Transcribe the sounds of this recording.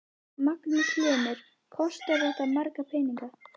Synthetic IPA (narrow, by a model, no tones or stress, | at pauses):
maknɪkʰlœːmʏɾ̥ | kʰɔst̪avɛht̪aðmaɾkapʰɛːniŋka